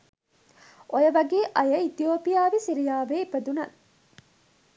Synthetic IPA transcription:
ʔojɐʋɐɡeːʔɐjɐit̪ijoːpijaːʋisiɾijaːʋeːipɐd̪unɐ

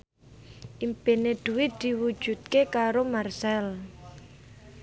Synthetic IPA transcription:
ʔimpeneɖ̪̥ṳwɪt̪̚d̪̥i̤wu̥ʒ̥ṳt̪̚kekaɾomarsɛl

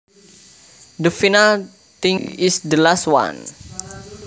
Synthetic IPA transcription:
dəfinal | t̪ĩŋisdəlaswa̰n

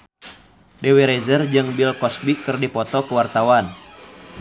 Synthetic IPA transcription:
dɛwɛɾɛzərd͡ʒɨŋbilkɔsbikɨrdipɔt̪ɔkəwart̪awan

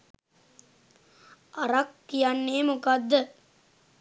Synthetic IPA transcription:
ʔaɾakːijanːeːmukad̪ːə

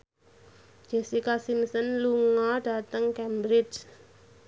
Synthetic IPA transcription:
d͡ʒ̥ɛsikasimsənluŋɔɖ̥a̤t̪əŋkɛmbɾɪt͡ʃ

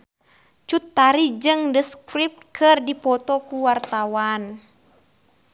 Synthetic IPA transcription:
t͡ʃut̪ːaɾid͡ʒɨŋdəskɾip̚t̪̚kʰɨrdipɔt̪ɔkuwart̪awan

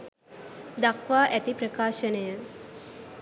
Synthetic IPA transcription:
d̪akʋaːʔæt̪ipɾəkaːʃənəjə

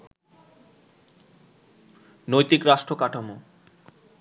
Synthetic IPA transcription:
nojt̪ikɾaʃʈɾokaʈʰamo

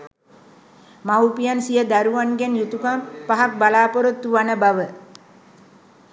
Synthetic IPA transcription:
mawupijansijəd̪aɾuʋanɡɛnjut̪ukampaɦak̚balaːpoɾot̪ːuʋanəbaʋə

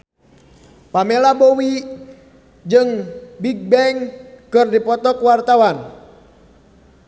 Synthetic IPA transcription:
pamɛlabɔwi | d͡ʒɨŋbik̚bɛŋkɨrdipɔt̪ɔkwart̪awan

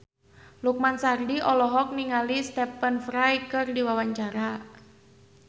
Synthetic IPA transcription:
luk̚mansardiʔɔlɔɦɔk̚niŋalist̪ɛpənfɾajkɨrdiwawaɲt͡ʃaɾa

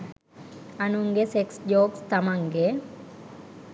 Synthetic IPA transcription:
ɐnuŋɡeseksd͡ʒoːkst̪ɐmaŋɡe

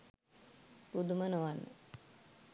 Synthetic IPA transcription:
ɾud̪umənoʋanːə̰

